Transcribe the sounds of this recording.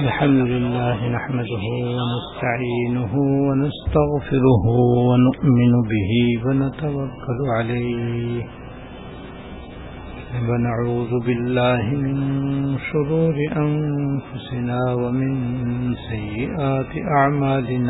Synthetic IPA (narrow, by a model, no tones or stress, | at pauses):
ʔalħamd̪ʊlɪlːaːɦɪnaħmad̪ʊɦʊwanast̪aʕiːnʊɦʊwanast̪aɣfɪɾʊhʊwanʊʔmɪnʊbɪɦiːwanat̪awakːalʊʕalajh | wanaʕuːðʊbɪlːaːɦɪmɪnʃʊɾuːɾɪʔanfʊsɪnaːwamɪnsajːɪʔaːt̪ɪʔaʕmaːlɪnaː